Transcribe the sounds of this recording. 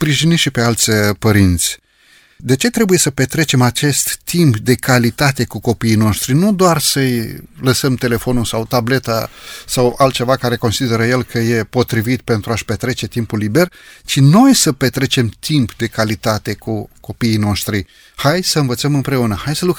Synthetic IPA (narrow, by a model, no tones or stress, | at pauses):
spɾiʒiniʃipe̞alt̪sʲpəɾint̪sʲ | d̪e̞t͡ʃe̞t̪ɾebuje̞səpe̞t̪ɾe̞t͡ʃe̞mat͡ʃe̞st̪ːimpd̪e̞kʰalit̪at̪e̞kuko̞piːno̞ʃt̪ɾinud̪oarsəjləsəmt̪e̞le̞fo̞nulsawt̪able̞t̪a̰sawalt̪̚t͡ʃe̞vakaɾe̞ko̞nsid̪e̞ɾəje̞lkʰəje̞po̞t̪ɾivit̪pe̞nt̪ɾuaʃpe̞t̪ɾe̞t͡ʃe̞t̪impulːibe̞rt͡ʃino̞jsəpet̪ɾe̞t͡ʃe̞mt̪impd̪e̞kalit̪at̪e̞kuko̞piːno̞ʃt̪ɾi | hajsəɨnvət̪səmɨmpɾe̞unəhajsəluk